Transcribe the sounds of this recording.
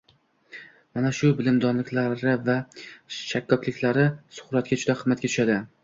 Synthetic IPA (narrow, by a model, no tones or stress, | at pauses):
manaʃʊbɪlɪmd̪ɒnlɪkʲlaɾɪvaʃakʰːɒkʲlɪkʲlaɾɪsʊ̥χɾat̪̚kʲad͡ʒʊd̪aqʰɨzmːat̪̚kʲat̪ʰʊ̥ʃad̪ɪ